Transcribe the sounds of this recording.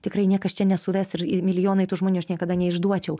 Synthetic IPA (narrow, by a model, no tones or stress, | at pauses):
t̪ʲɪkrɐɪnʲiɛkɐst͡ʃʲɛnʲɛsʊʋʲɛsɪɾɪmʲɪlʲɪjoːnɐɪt̪ʊːʒmoːnʲuːɐʃnʲiɛkɐd̪ɐnʲɛɪʒd̪uɔt͡ʃʲɛʊ